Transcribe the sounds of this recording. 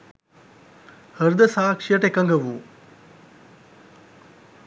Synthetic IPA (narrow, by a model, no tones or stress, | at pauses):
həɾd̪əsaːkʂijəʈekɐŋɡəʋuː